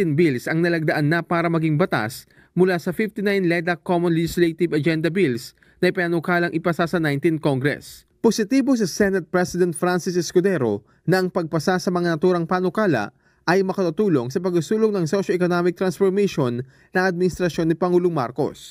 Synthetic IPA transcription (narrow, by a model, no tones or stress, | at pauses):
inbilsɐŋnɐlɐɡ̚d̪ɐʔanːɐpaːɾɐmɐɡiŋbɐt̪a̰s | mʊlasɐfift̪inajnlɛd̪ɐkomõnlɛd͡ʒɪslet̪ɪvɐd͡ʒɛnd̪ɐbils | nɐʔɪpaanokaːlɐŋʔɪpɐsasɐnajnt̪inkoŋɡɾɛ̰s | posɪt̪iːbo̞s̬ɐsɛnɐt̪̚pɹɛsɪd̪ɛnt̪̚fɾansɪsɛskʊd̪ɛɾo | nɐʔɐŋpɐɡ̚pɐsasɐmɐŋanɐt̪uːɾɐŋpaːnokaːlɐ̰ʔ | ʔɐjmɐkɐt̪ut̪uːlo̞ŋsɐpɐɡʊsuːloŋnɐŋsoʃoɛkonomɪk̚t̪ɾɐnsfoɾmeʃo̞nː | ɐŋʔɐd̪̚mɪnɪst̪ɾɐʃjo̞nːɪpɐŋuːloŋma̰ɾko̞̰s